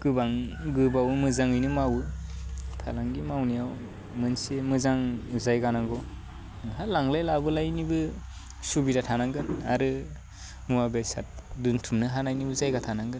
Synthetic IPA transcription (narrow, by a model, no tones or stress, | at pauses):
ɡ̥ɯbaŋɡɯbawmɯzaŋɯjnɯmawɯ | tʰa̰laŋɡimawnijaw | mɯnsemɯzaŋzajɡanaɡɔ | ɦalaŋlajlabɯlajnibɯ | subidatʰanaŋɡɯna̰ɾɯ | muwabesa̰t̚duntʰumnɯɦanajnibɯzajɡatʰanaŋɡɯn